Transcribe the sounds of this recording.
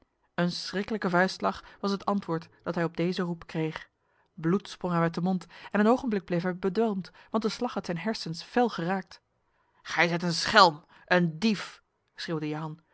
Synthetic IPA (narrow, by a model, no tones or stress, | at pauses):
ənsrɪkələkəvœɥslɑχʋɑsɦətɑntʋʊːɹtd̥ɑtɦɛjɔb̚dejzərupkrejχ | blutsproŋɦɛjmɛtdəmontɛnənowχənblɪɡ̚blejfɦɛjbədʋɛlˠmtʋɑnt̚dəslɑχɦɑtsɛjnɦɛɹsənsfɛlˠχəraːk̚t | χɛjzɛjtənsχɛlˠm | ʔəndif | srɪwdəjaɑn